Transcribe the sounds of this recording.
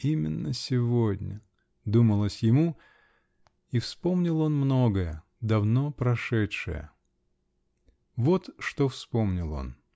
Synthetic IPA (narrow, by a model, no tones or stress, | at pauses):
imʲɪnːəsʲɪvodʲnʲə | d̪uməlˠəsʲjɪmu | ifspomnʲɪlˠo̞nmno̞ɡəjə | d̪ɐvno̞pɾɐʂɛtʂɨ̰jə̰ | vot̪ʂt̪ofspo̞mnʲɪlˠo̞̰n